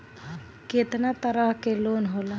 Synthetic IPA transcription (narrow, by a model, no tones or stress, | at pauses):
keːt̪nat̪əɾaɦkeloːnɦoːla